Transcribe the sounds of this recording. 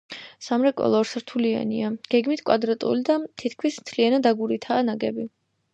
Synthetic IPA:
samɾɛkʼɔ̰lˠɔɾsɾt̪ʰulia̰nḭaɡ̥ɛɡmit̪ʰkʼwa̰d̪ɾat̪ʼṵlid̪at̪ʰit̪ʰkʰmismt̪ʰlianad̪aɡuɾit̪ʰaːnaɡɛbi

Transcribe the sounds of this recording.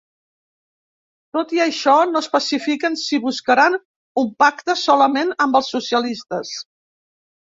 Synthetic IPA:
t̪ot̪iəʃɔnoəspəsifikənsiβuskəɾan | umpakt̪əsɔləmenəmbəlˠsːusiəlist̪əs

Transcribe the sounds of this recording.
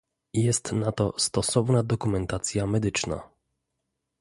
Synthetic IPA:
jɛst̪nat̪ɔst̪ɔsɔvnad̪ɔkumɛnt̪at̪sʲjamɛd̪ɘt͡ʂna̰

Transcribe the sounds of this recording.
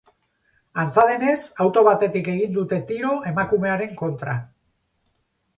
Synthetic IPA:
ant͡saðe̞ne̞sawt̪o̞β̞at̪e̞t̪ike̞ɣ̞ind̪ut̪e̞t̪iɾo̞ʔe̞makume̞aɾe̞ŋko̞nt̪ɾa

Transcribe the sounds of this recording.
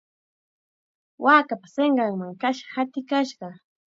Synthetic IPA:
waːkapḁseɴɢɑŋmaŋkaʃɑ̥hat̪ɪkaʃɢɑ

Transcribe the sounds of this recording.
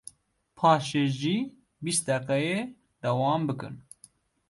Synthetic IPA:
pʰɑːʃeːʒiː | bist̪̚d̪ɛqɛjeː | d̪ɐwɑːmbɨkɨ̰n

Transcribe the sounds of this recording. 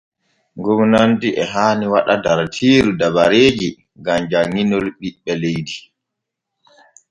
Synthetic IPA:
ɡɔvnantiʔɛɦaːniwaɗadaɾtʰiːɾudabaɾeːd͡ʒi | ŋɡamd͡ʒaŋinɔlɓiɓːɛlejdi

